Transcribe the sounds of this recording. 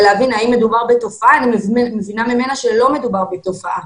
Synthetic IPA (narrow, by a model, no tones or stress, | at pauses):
leavinaimːe̞dubaʁbeto̞faaːnimmevinamime̞naʃe̞lo̞me̞dubaʁbet̪o̞faʔa